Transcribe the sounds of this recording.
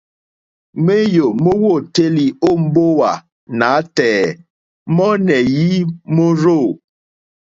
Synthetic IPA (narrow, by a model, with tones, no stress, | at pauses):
me˦jo˨mo˦wo˦˨te˦li˨o˦˨m̩˦bo˦wa˨ | na˨˦tɛː˨ | mɔ˦nɛ˨ji˦mo˦ɾo˦˨